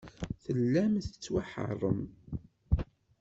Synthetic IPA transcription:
θəlːæmθə̥t͡sːwaħə̰rˤːəm

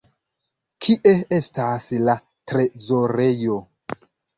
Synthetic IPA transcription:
kʰiʔe̞e̞stasla | tɾe̞zo̞ɾe̞jo̞

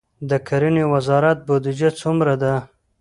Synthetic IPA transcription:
d̪əkʰaɾənewazɑɾat̪̚bod̪ɪd͡ʒat͡sumɾad̪a

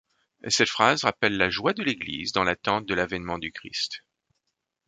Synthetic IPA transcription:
sɛt̪fχazʁapɛlːaʒwad̪əleɡlḭzd̪ɑ̃lat̪ɑ̃t̪̚d̪əlavɛnmɑ̃d̪ykχḭst̪

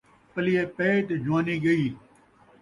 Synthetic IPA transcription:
pəlɪjeːpeːʈd͡ʒʊʋaːniːɡəiː

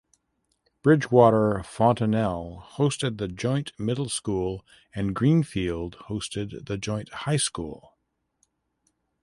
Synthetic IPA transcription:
b̥ɹɪd͡ʒwɔɾə˞fɑ̃ntɨnɛlˠhoʊstɨd̪̚ðɨd͡ʒɔ̃ɪ̃nʔmɪɾl̩ˠskulˠ | ɨ̃nɡɹĩnfilˠd̥̚hoʊstɨd̪̚ðɨd͡ʒɔ̃ɪ̃nʔhaɪskṵlˠ

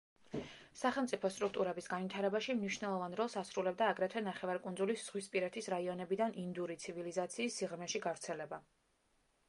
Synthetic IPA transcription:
saχɛlˠmt̪sʼipʰɔst̪ʼɾuk̚ʰt̪ʼuɾɛbisɡanvit̪ʰaɾɛbaʃimniʃnɛlˠɔvanɾɔlˠsasɾulɛb̚d̪aːɡɾɛt̪ʰvɛnaχɛvaɾkʼund̪zulisz̥ʁwispʼiɾɛt̪ʰisɾaiɔnɛbid̪anind̪uɾit̪sʰivilizat̪sʰiːsːiʁmɛʃiɡavɾt̪sʰɛlɛba

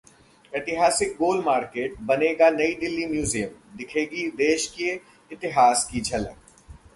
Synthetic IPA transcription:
eːt̪ɪɦaːsɪk̚ɡoːlmaːɾkeːʈ̚bɐneːɡanɐid̪ɪlːimjuːzijəmd̪ɪkʰeːɡid̪eːʃke | ɪt̪ɪɦaːskid͡ʒʱɐlə̰k

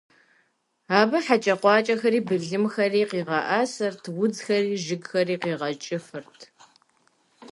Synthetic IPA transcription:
aːbɐħat͡ʃʼɐqʷɑːt͡ʃʼɐxɐɾiːbɨɮɨmxɐriːqiːʁɐʔasɐrtʰwʊd͡zxɐriːʒɪɡxɐɾiːqiːʁɐt͡ʃʼɪfɨrtʰ

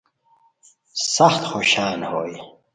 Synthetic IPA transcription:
sɐxt̪xoɕaːnhoːj

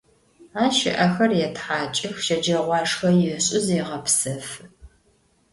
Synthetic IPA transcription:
aːʃɪ̰ʔɐxɐrjɛtħaːt͡ʃʼɪxʃɐd͡ʒɐʁʷɑːʂxɐjɪɕʼɪzeʁɐpsɐf

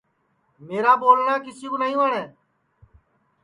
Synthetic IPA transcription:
meːɾaːboːlɳaːk̬ɪsiːkonəɦĩuːəɳeː

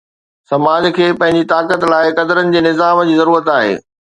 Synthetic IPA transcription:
sɐmaːd͡ʑkʰeːpɐ̃ɦɪ̃ɲd͡ʑit̪aːkət̪laːɪkɐd̪əɾənɪ̆d͡ʑeːnɪzaːmd͡ʑiːzɐɾuːɾət̪aːɦḛː

